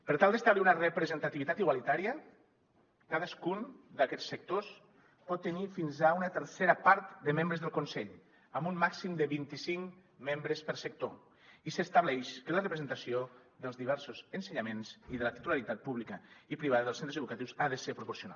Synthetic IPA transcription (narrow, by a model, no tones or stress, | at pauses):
pəɾt̪alˠd̪əst̪aβliunərəpɾəzənt̪at̪iβit̪at̪iɣwalit̪aɾiə | kaðəskund̪akɛsːək̚t̪os | pɔt̪ːənifinzaunət̪əɾseɾəpaɾt̪d̪əmembɾəzðəlˠkunsɛʎ | əmbumːaksimd̪əβint̪isiŋmembɾəspəɾsək̚t̪o | isəst̪aβlɛʃkələrəpɾəzənt̪asioðəlˠzðiβ̞ɛɾsozənsəɲamenziðələt̪it̪ulaɾit̪at̪̚puβlikəipɾiβaðəðəlsent̪ɾəzeukat̪iwsaðəseɾpɾupoɾsiuna̰